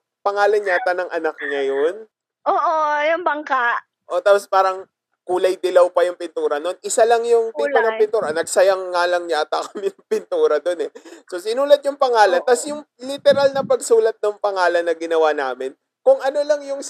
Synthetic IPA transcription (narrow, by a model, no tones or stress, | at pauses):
pɐŋaːlɐnɲaːt̪ɐnɐŋʔɐnɐk̚ɲɐjon | ʔoːʔojʊŋbɐŋkaʔ | ʔo̞t̪aːpospaːɾɐŋ | kuːlɐjd̪ɪlɐwpɐjʊŋpɪnt̪uːɾɐno̞nʔɪsalɐŋjʊŋt̪iːp̪ɐnɐŋpɪnt̪uːɾɐnɐɡsɐjɐŋːalɐŋɲat̪ɐkɐmɪnɐŋpɪnt̪uːɾɐd̪o̞nɛso̞sɪnuːlɐt̪̚jʊŋpɐŋaːlɐnt̪ɐsjʊŋlɪt̪ɛɾalnɐpɐɡsuːlɐt̪̚nɐŋpɐŋaːlɐnːɐɡɪnɐwanaːmɪn | kʊŋʔɐno̞lɐŋjʊŋ